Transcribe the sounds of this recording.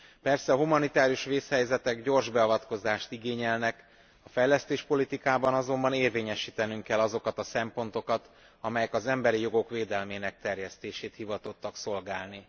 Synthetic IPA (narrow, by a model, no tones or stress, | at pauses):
pɛrsɛɒɦumɒnit̪aːɾijuʃʋeːshɛjzɛt̪ɛɡɟo̞rʒbɛɒvɒt̪ko̞zaːʃt̪iɡeːɲɛlnɛk | ɒfɛjlɛst̪eːʃpo̞lit̪ikaːbɒnɒzo̞mbɒneːrveːɲɛʃiːt̪ɛnyŋkɛlɒzo̞kɒt̪ɒsɛmpo̞nt̪o̞kɒt̪ | ɒmɛjɛkɒzɛmbɛɾijo̞ɡo̞kʋeːd̪ɛlmeːnɛk̚t̪ɛrjɛst̪eːʃeːt̪hivɒt̪o̞t̪ːɒkso̞lɡaːlni